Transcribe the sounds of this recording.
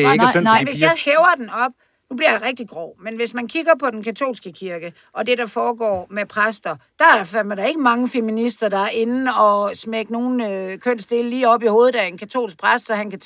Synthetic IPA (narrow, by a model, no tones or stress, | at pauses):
ʋe̝sjɑ̈ɪheʊɐd̥enɒ̽b̥ | nub̥liɐjɑ̈ʁɛɡ̥̚d̥iɡ̥ʁɒʊ̰menʋe̝smænkʰiɡ̥ɐpʰɒ̽d̥enkʰæt͡sʰo̝̰ːlsɡ̥əkʰiɐɡ̥ə | ʔɒ̽d̥e̝ɾɑ̈fɒːɡ̥ɒ̰ːmepʰʁasd̥ɐd̥ɑ̈æɐ̥fmɾɑ̈e̝ɡ̥əmɑ̈ŋəfeminisd̥ɐd̥ɑ̈æɐe̝nnn̩ɒ̽smeɡ̥əno̝ːn̩økʰøn̰sd̥e̝ləliːɒ̽b̥iho̝ːð̩ˠdæɐe̝nkʰæt͡sʰo̝̰ːlsɡ̥̚pʰʁasd̥sɒ̽hænkʰæ